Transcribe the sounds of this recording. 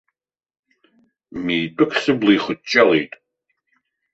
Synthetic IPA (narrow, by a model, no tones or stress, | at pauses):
miːtʷʼɨkʰsɨbliːχʷʊt̚t͡ʃʼɐlejtʼ